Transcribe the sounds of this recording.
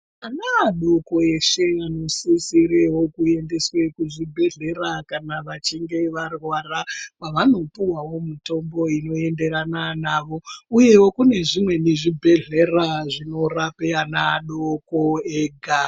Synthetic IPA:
anaːɗo̞ko̞e̞ʂe̞ano̞sisiɾewo̞kue̞nde̞swe̞kuʐibʱe̞ɮe̞ɾakanaʋat͡ʃiŋɡe̞ʋarwaːrapaʋano̞piwawo̞mito̞mbo̞ino̞e̞nde̞ɾananaʋo̞uje̞wo̞kune̞ʐimwe̞niʐibʱe̞ɮe̞raʐino̞rapeanaːɗokoeːɡʱa

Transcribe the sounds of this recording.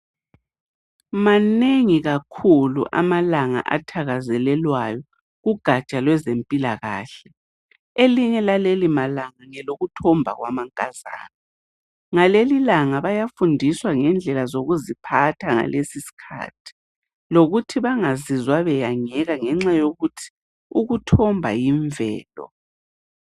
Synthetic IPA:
maneŋiɣakʰulṵʔa̰malaŋa̰ʔa̰tʰaɣazɛlɛlwajɔ | ɣuɡ̥ʱat͡ʃʼalwɛzempʼilaɣa̰ːɬɛ | eliɲɛlalelimalaŋaŋɛloɣutʰɔmbʱa̰ɣwa̰maŋkʼaza̰ːna | ŋalelilaŋaβajafundʱiswaŋɛnd͡ɮʱɛlazoɣuzipʰatʰaŋa̰lʔesisi̥kʰa̰ːtʰi̥ | loɣutʰiβaŋazizwaβɛjaŋɛɣaŋɛŋ͡ǁajoɣutʰi̥ | uɣutʰɔmbʱajiɱvɛ̰ːlɔ̰

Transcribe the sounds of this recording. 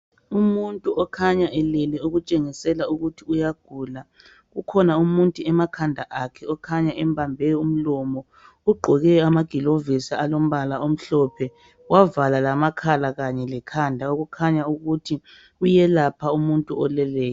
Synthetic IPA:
umuntʼuʔɔkʰaɲaʔɛlɛlɛuɣut͡ʃʼeŋisɛlauɣutʰiujaɡ̥ʱuːla | ɣukʰɔnaumuntʼuɛmakʰandʱaʔakʰɛɔkʰaɲaʔɛmbʱambʱɛjɔum̩lɔmɔ | uɡ͡ǃʱɔɣɛamaɡ̥ʱilovisaalom̩βalaom̩ɬɔpʰɛ | wavalalamakʰalaɣaɲɛlɛkʰandʱaoɣukʰaɲauɣutʰi | ujɛlapʰaumuntʼuɔlɛlɛːjɔ

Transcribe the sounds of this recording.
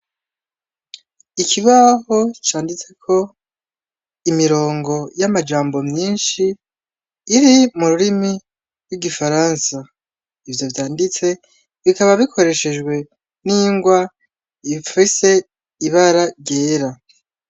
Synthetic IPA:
ikʰiβaho̞t͡ʃaːndit͡se̞kʰo̞ | imiɾo̞ːŋɡo̞jamad͡ʒaːmbo̞mɲiːnʃiː | ɾimuɾuɾimi | ɾwiɡifaɾansa | ivjo̞vjaːndit͡se̞ | βikaβaβikʰo̞ɾe̞ʃe̞d͡ʒɡwe̞ | niːŋɡwa | ifise̞ | iβaɾaɟe̞ːɾa

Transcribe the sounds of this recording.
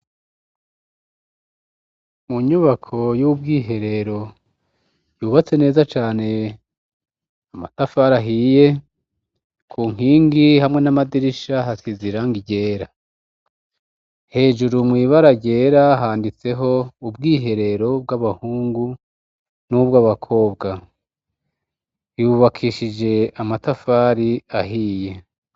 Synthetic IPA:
muɲuβakʰo̞jub̚ɡiːɦe̞ɾe̞ɾo̞ | juːβat͡se̞ne̞ːzat͡ʃaːne̞ | ama̰tafaɾaɦije̞ | kʰuːŋ̥hiːŋɡihamŋe̞namadiɾiʃaɦakiziɾaŋɡiɟe̞ːɾa | he̞ːʒuɾumwiːβaɾaɟe̞ːɾaɦaːndit͡se̞ɦo̞ubɡiːɦe̞ɾe̞ɾo̞b̚ɡaβahuːŋɡu | nubɡaβakʰo̞ːbɡa | juβakʰiʃid͡ʒe̞amatafaɾiaɦiːje̞

